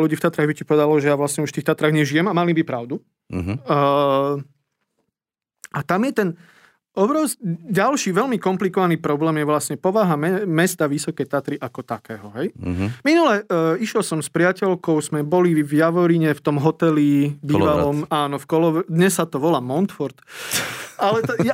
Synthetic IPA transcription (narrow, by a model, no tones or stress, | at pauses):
luɟiːft̪at̪ɾaɣbicipɔʋɛd̪alɔʒɛjaʋlasɲɛuʃft̪iːxt̪at̪ɾaːɣɲɛʒijɛmamalibipɾaʊd̪u | at̪amjɛt̪ɛn | ɔbɾɔʊskiɟalʃiːʋɛlmikɔmplikɔʋaniːpɾɔblɛːmjɛʋlasɲɛpɔʋaɦamɛmɛst̪aʋisɔkɛjt̪at̪ɾiʔakɔt̪akɛːɦɔɦɛjminulɛiʃjɛlsɔmspɾɪacɛlkɔʊzmɛbɔlivjaʋɔɾiɲɛft̪ɔmɦɔt̪ɛlibiːʋalɔmaːnɔfkɔlɔʋɛd̪ɲɛsːat̪ɔʋɔlaːmɔnt̪fɔɾt̪ | alɛt̪ɔja